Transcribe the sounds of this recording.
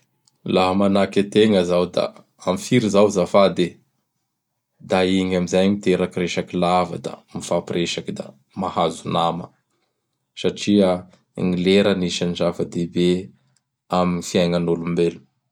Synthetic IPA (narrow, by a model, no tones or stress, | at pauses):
laɦəmanakat̪eŋəzawd̪a̰ | amifiɾizawzafad̪e | d̪aiŋamizajmit̪eɾakiɾeʃakilava̰d̪a̰mifapreʃakid̪a̰ | mahazunamə̰ | saʈ͡ʂiə | ŋileɾəniʃand͡ʒavəd̪ebe | aminifiajŋanolumbelu̥